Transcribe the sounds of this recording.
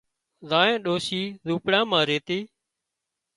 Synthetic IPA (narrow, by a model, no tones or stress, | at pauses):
zãːẽːɗoːsiːzuːpɽãːmãːɾeːt̪eː